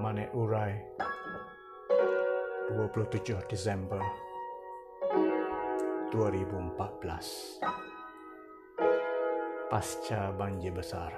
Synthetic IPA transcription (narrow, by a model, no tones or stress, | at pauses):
manaʔuɾaj | duapuluht̪ud͡ʒʊhdisɛmbər | d̪̥uaɾibuəmpat̪̚b̥əla̰s | past͡ʃabaɲd͡ʒibəsa̰r